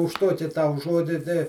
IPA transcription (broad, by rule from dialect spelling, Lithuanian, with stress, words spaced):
ʊʃ ˈtuɔkʲɪ ˈtɐʊ ˈʒuɔdʲɪ ˈtɐɪ